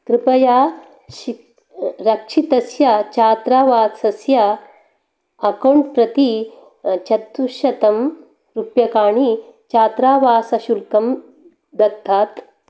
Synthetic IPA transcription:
kɾɪpɐjaː | ʃi | ɾɐkʂʰit̪ɐsjat͡ʃaːt̪ɾaːʋaːsɐsjɐ | ɐkoɳpɾɐt̪i | t͡ʃɐt̪uʃjɐt̪ɐm | ɾupjɐkaːɳit͡ʃaːt̪ɾaːʋaːsɐʃulkɐm | d̪ɐt̪ʰːaːt̪

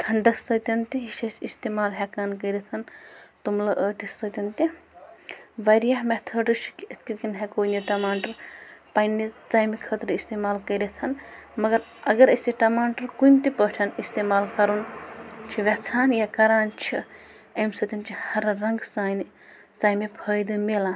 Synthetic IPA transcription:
t̪ʰɐɳɖɐksɐt̪ʲɐnt̪iɦiʃɐsist̪eːmaːlɦɛkaːnkɐjɾit̪ʰɐnt̪umlɐʔəːʈissɐt̪ʲɐnt̪i | ʋɐɾjaɦmet̪ʰɐːɖɨt͡ʃʰi̥kiet̪ʰkit̪kinɦekoːjniʈɐmaːɳʈɐɾpajnːit͡saːjmikʰət̪ɾist̪eːmaːlkɐjɾet̪ʰɐnmɐɡɐɾ | ɐɡɐɾəst̪iʈɐmaːɳʈɐɾkunt̪ipəʈʲʰɐnist̪eːmaːlkɐɾunt͡ʃʰiʋʲɛt͡sʰaːnjakɐɾaːnt͡ʃʰi | ɐmsɐt̪ʲint͡ʃʰihɐɾɾɐŋɡsaːjni | t͡saːjmepʰəjd̪ɨmelaːn

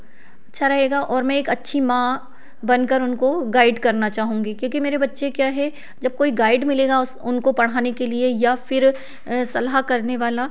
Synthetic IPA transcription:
ɐtːʃʰaɾɐɦeːɡaʔɔːɾmɛ̃eːkɐtːʃʰimã | bɐnkɐɾʊnkoɡaːɪɖkɐɾnat͡ʃaːɦũːŋɡikjõːkimeːɾebɐtːʃekjaːɦɛ | d͡ʒɐb̚koːiɡaːɪɖmɪleːɡaʊsʊnkopɐɽ̤aːnekeliejafɪɾ | sɐlɦakɐɾneʋaːla

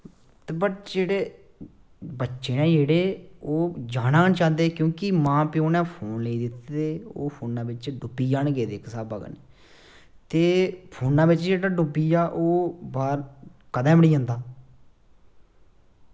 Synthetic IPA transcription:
t̪ebəʈd͡ʒeːɽeː | bətːʃeːnɛ̃ːd͡ʒeːɽeːoːd͡ʒaːnaːnt͡ʃãːd̪eːkjõːkɪmãːpɪoːnɛ̃ːpʰoːnleiːd̪ɪt̪ːd̪eːoːpʰoːnːãːbɪt͡ʃɖʊpːiːd͡ʒaːnɡeːd̪eːksaːbə̰ɡə̰neː | t̪eːpʰoːnːãːbɪt͡ʃd͡ʒeːɽaːɖʊpːiːaːʔoːbaːɾkəd̪ɛ̃ːməɽiːɦə̃ːnd̪aː

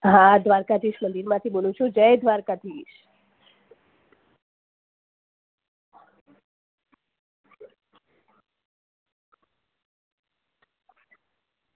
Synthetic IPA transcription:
ɦãd̪ʋaɾkad̪ʱiʃmənd̪iɾmãt̪ʰibolũt͡ʃʰud͡ʒəjd̪ʱʋaɾkad̪ʰiʃ

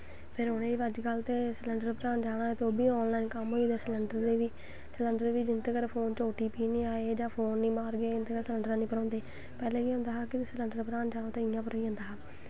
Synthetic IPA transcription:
pʰɪɾʊnẽːʋəd͡ʒkəlt̪eːsələɳɖəɾpəɾaːnd͡ʒaːɽ̃aːeːt̪eoːbiːɔːnlaːinkəmɦoːiːd̪eːsələɳɖəɾd̪eːʋiː | sələɳɖəɾʋiːd͡ʒɪnt̪ekəɾpʰoːnt͡ʃoːʈiːpiːnĩːaːeːd͡ʒãːpʰoːnːĩːmaːɾɡeːɪnt̪eːkəɾsələɳɖəɾãːnĩːpəɾɔ̃ːnd̪eː | pɛːlẽːiːɦʊ̃ːnd̪aːɦaːkɪt̪ːsləɳɖəɾpəɾãːnd͡ʒaːõːt̪ẽːɪjãːpəɾiːɦə̃nd̪aːɦaː

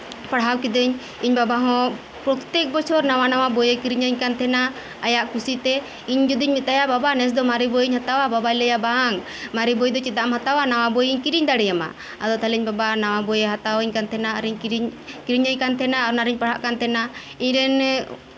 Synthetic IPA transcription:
paɽɦawkid̪əɲ | iɲbabaɦɔ̃ | pɾɔt̪ɛk̚bɔt͡ʃʰɔɾnawanawabɔjekiɾiɲəɲkant̪ʰɛna | ajaʔkusit̪ɛ | iɲd͡ʒud̪iɲmit̪̚d̪ajababanɛs̬d̪ɔmaɾibɔjiɲhat̪awababajlɛjabaaŋ | maɾibɔjd̪ɔt͡ʃit̪̚ˀːaʔamhat̪awanaw̃abɔjiɲkiɾiɲd̪aɽɛjama̰ | ad̪ɔt̪ʰalɛiɲbabanawabɔjɛɦat̪awiɲkant̪ʰɛnaaɾiɲɾkiɾiɲəɲkant̪ʰɛnaaɾnaɾiɲpaɽ̤aʔkant̪ʰɛna | iɲɾɛn

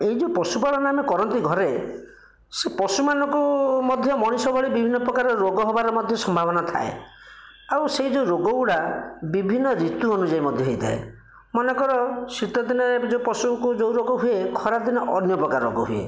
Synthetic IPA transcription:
eɦid͡ʒopɔsupaɭɔnamekɔɾɔnt̪iɡʱɔɾe | sepɔsumanɔ̃ŋkumɔd̪ʱjɔmɔɽ̃isɔbɔɭibibʱinːɔpɾɔkaɾɔɾoɡɔɦɔbaɾɔmɔd̪ʱjɔsɔmbʱabɔnat̪ʰa̰ḛ | awseɦid͡ʒouɾoɡɔuɽabibʱinːɔɾit̪uɔnud͡ʒaimɔd̪ʱjɔɦejt̪ʰa̰ḛ | mɔnekɔɾɔsɾit̪ɔd̪inɔɾed͡ʒopɔsukud͡ʒowɾoɡɔɦuekʰɔɾad̪inɔʔɔnjɔpɾɔkaɾo̰ɡɔɦuḛ

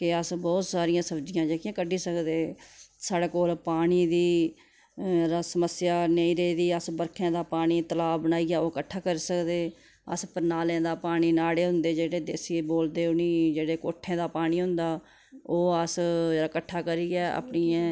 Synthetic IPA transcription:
kɪəsbɔːt̪saːɾɪjãːsəbd͡ʒɪjãːd͡ʒekjãːkəɖiːsəkd̪eːsaːɽeːkoːlpaːɽ̃iːd̪iː | ɾasəməsjaːnəĩːɾeid̪iːəsbəɾkʰãːd̪aːpaːɽ̃iːt̪əlaːbənaːiːɡaːoːkəʈʰːaːkəɾiːsəkd̪eː | ə̰spəɾnaːlẽːd̪aːpaːɽ̃iːnaːɽeːɦʊ̃nd̪eːd͡ʒeːɽeːd̪eːsieːboːld̪eːʊniːd͡ʒeːɽeːkoːʈʰːẽːd̪aːpaːɽ̃iːɦʊ̃nd̪aː | oːəsd͡ʒeːɽaːkəʈʰːaːkəɾiːɛːa̰ːpɳiːãː

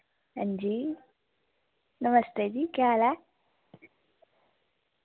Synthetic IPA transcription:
ɐɲd͡ʒi | nɐmɐst̪ed̪ikaːla

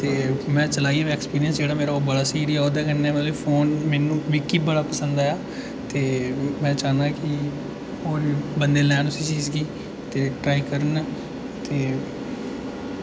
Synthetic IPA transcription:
t̪eːmɛ̃ːt͡ʃəlaːiːãːʋĩːɛkspiːɾɪjə̃nsd͡ʒeːɽaːmeːɾaobəɽaːsiːɾiɛːoːd̪aːkənːɛːət̪lopʰoːnmɛːnũːʋikiːbəɽaːpəsə̃nd̪aːaː | t̪eːmɛ̃ːt͡ʃaːnãːkɪ | oːɾiːbənd̪eːlɛːnʊsiːt͡ʃiːzɡiː | t̪eːʈɾaːiːkəɾən | t̪eː

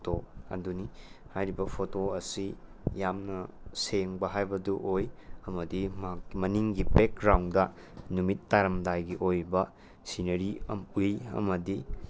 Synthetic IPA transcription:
toɐ̰dunihajɾibɐpʰotoɐsi | jamnɐseŋbɐɦajbɐduʔojɐmɐdimmɐniŋɡibek̚ɾawndɐ | numitːaɾɐmdajɡiʔojbɐ | sinɐɾiɐ̰mujɐ̰mɐdi

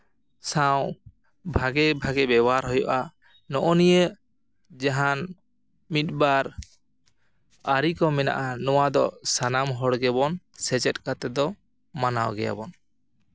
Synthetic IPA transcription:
saw | bʱaɡɛbʱaɡɛbɛbɔaɾɦɔjɔʔa | nɔʔɔnijə | d͡ʒaɦan | mit̪̚baɾ | aɾikɔmɛna̰ʔanɔwad̪ɔsanamɦɔɽɡɛbɔn | sɛt͡ʃɛt̚kat̪ɛd̪ɔ | manawɡɛja̰bɔn

